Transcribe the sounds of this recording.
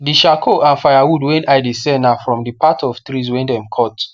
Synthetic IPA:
diʃakʰoʔãnfajawudwɛ̃najdisɛ̃nafɹɔ̃mdipatɔv̥tɹizwɛ̃ndɛ̃mkʰɔt

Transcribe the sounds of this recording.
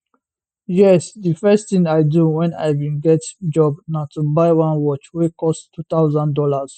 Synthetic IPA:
jɛsd̪ifɛstt̪ĩŋajduwɛ̃na̰jvĩnɡɛtd͡ʒɔbnatubajwãnwɔt͡ʃwikʰɔsttʰːut̪awzãndɔlaz̥

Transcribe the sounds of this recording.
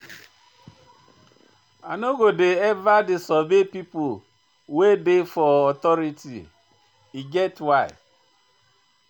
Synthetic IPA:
anoɡodeɛvadɪsɔbepipo | wedefɔɔt̪ɔɾitḭ | iɡɛtwaɪ

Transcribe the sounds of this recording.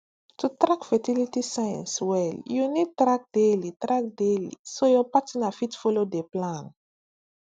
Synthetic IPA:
tutɾakfɛtilitisajã̰nswɛljunid̚tɾak̚delitɾak̚delḭsojɔpatinafitfɔlodeplãn

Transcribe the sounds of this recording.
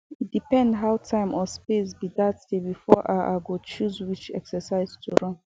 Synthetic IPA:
dipɛ̃ndɦaʊtʰãɪ̃mʔɔspesbidatstebifɔʔaʔa̰ɡot͡ʃuzwit͡ʃɛ̰ksəsaɪztʰuɹɔ̃n

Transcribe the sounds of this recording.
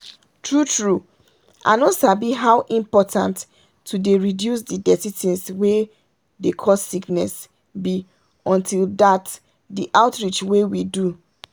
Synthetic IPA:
tʰɹutɹu | ʔa̰nosabiɦaʊʔĩmpɔtʰã̰ntː | udeɹidjus̬didɛsitĩnswe | dekʰɔsːiknɛs | bi | ɔ̃ntʰildat | diʔaʊtɹit͡ʃwewidu

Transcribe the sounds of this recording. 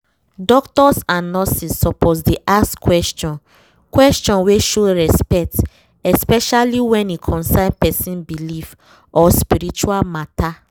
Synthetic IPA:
dɔktɔsãnːɔsisːɔpɔsdeʔaskwɛstɔ̃n | kwɛstɔ̃nweʃoɹɛspɛk̚t | ɛspɛʃaliwɛ̃nikʰɔ̃nsãɪ̃npɛsĩnbilif | ɔspiɾit͡ʃualmata

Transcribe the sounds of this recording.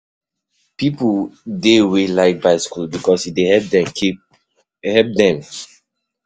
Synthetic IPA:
pipldewelaɪk̚baɪskulbikɔsidehɛp̚dɛ̃mkʰip̚ | hɛp̚dɛ̃m

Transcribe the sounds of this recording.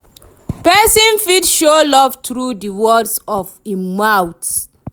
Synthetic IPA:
pɛsĩnfitʃolɔvtɹudiwɔdsɔvimawts

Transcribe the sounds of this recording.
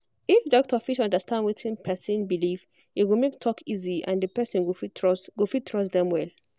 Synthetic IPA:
ifdɔk̚tɔfiʃɔ̃ndəstʰãndwitĩnpʰɛsə̃nbiliv | itwilmek̚tʰɔkʰiziã̰ndəpɛsə̃nwifwifitʰɹɔsdɛ̃mwɛl

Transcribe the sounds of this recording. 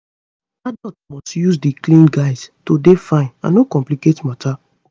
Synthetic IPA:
adɔtmɔstjuzdiklĩnɡaɪstodefãɪ̃nã̰nokɔ̃mpliketmatʰa

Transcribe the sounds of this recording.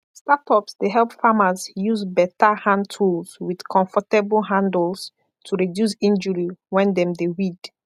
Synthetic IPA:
statɔpsdeɦɛlˠpfamazjuzbɛtahãntʰulswid̥kʰɔ̃ɱfɔtebəlɦãndlˠs | tʰuɹidjus̬ĩnd͡ʒəɹiwɛ̃ndɛ̃mdewid

